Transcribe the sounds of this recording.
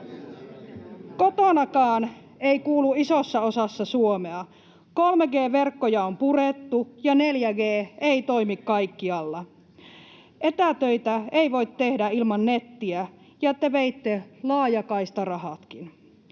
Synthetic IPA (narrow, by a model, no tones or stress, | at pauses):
kot̪onɑkɑːn | eikuːluisosːɑosɑsːɑsuomeɑ | kolmeɡeːʋerkːojɑompuret̪ːujɑneljæɡeːeit̪oimikkɑikːiɑlːɑ | ʔet̪æt̪øit̪æeiʋo̞it̪tehdæilmɑnːet̪ːiæ | jɑet̪ːeʋeit̪ːelɑːjɑkɑist̪ɑrɑhɑt̪kin